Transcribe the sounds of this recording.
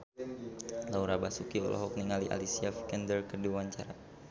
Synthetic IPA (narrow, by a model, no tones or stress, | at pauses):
lauɾabasukiɔ̰lʔɔ̰ɦɔk̚niŋaliʔa̰lisiafkɛndərkəduwaɲt͡ʃaɾa